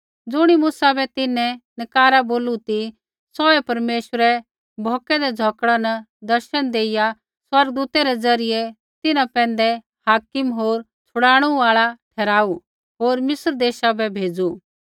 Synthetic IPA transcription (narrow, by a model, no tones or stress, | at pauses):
d͡zʊɽ̃imʊsabɛt̪ɪnɛ̃nɪkaːɾaboːlut̪i | sɔɛpɐɾmeːʃəɾɛ | bʱɔːkɛd̪ɛd͡zʱɔkɽanɐd̪ɐɾʃənd̪eːɪja | swɐɾɡəd̪uːt̪ɛɾɛd͡zɐɾɪjɛ | t̪ɪnãpɛ̃ːnd̪ɛ | haːkɪmɦoːɾ | t͡sʰʊɽaːɽ̃uaːɭaʈʰɛːɾaːu | ɦoːɾmɪsəɾd̪eːʃabɛbʱeːd͡zu